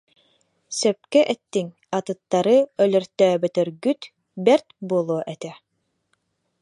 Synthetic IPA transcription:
sɛp̚kɛʔɛt̪ːiŋ | at̪ɯt̪ːaɾɯœlœɾt̪œːbɛt̪œɾɡyt̪ | bɛɾt̪buɔlˠuɔʔɛt̪ɛ

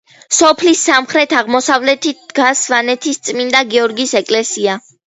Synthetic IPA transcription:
sɔpʰlisːamχɾɛt̪ʰaʁmɔsavlɛt̪ʰid̪̥ɡasvanɛt̪ʰist̪sʼmind̪aɡiɔɾɡisɛkʼlɛsia

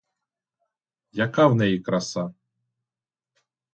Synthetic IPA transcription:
jɐkɑwnɛjikɾɐsa

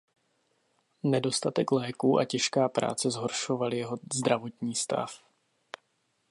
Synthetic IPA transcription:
nɛdo̞st̪at̪ɛklɛːkuːʔa̰cɛʃkaːpɾa̰ːt͡sɛzɦo̞ɾʃo̞valɪjɛɦo̞zd̪ɾavo̞t̪ɲiːst̪a̰f

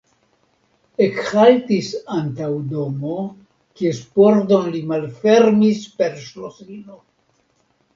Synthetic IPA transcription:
ekhaltisantawd̪o̞mo̞ | kiespo̞ɾd̪o̞nlimalfe̞ɾmispe̞ɾʃlosino

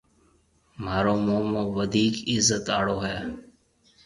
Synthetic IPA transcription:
m̤aːɾoːmoːmõːʋəd̪ʱiːkɪzːət̪aːɽoːɦaː

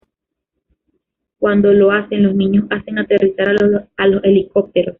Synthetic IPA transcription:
kwand̪o̞lo̞ase̞ŋlo̞snĩɲo̞sase̞ŋat̪e̞risaɾaalo̞se̞liko̞p̚t̪e̞ɾo̞s

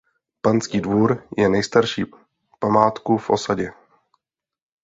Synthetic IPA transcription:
pant͡skiːdvuːɾjɛnɛjst̪aɾʃiː | pamaːt̪kufʔo̞̰saɟɛ

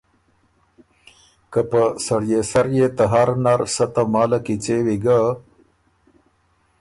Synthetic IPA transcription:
kapəsɐɽjesɐɾjet̪ɐɦaɾnaɾsɐt̪amaːlakit͡sewiɡa

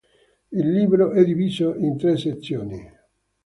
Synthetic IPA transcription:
ilːiːbɾoʔɛd̪iviːzoint̪ɾesːet̪sːjoːni

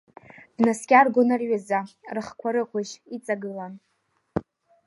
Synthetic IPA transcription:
d̥naskʲʼarɡʷonarɥazarɨχkʷʰaɾɨqʷʰaʒit͡sʼaɡɨlan

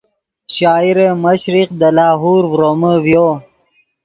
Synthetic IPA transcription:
ɕɑːiɾeməɕɾiqd̪əlɑːɦuːɾvɾoməvjoː

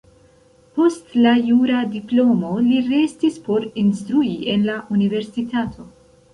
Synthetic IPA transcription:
po̞stlajuɾadiplo̞mo̞liɾe̞stispo̞ɾinstɾuie̞nlaʔunive̞ɾsitʰatʰo̞

